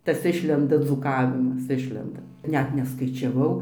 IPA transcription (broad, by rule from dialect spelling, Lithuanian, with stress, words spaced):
ˈtɐs ˈɪʃʲlʲɛndɐ d͡zuːˈkɑːʋʲɪmɐs ˈɪʃʲlʲɛndɐ ˈnʲɛt nʲɛskɐɪt͡ʃʲɛˈʋɐʊ